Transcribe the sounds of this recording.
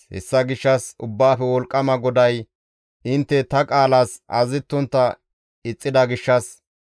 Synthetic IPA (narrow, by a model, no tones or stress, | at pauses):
hɛ̰sːɐɡɪʃːɐsʊbːaːfɛwɔlkʼːɐmɐɡɔd̪ɐj | ʔɪnt̪ːɛt̪ɐkʼaːlaːsʔɐzɪt̪ːʊnt̪ːɐ | ɪt͡sʼːɪd̪ɐɡɪʃːɐs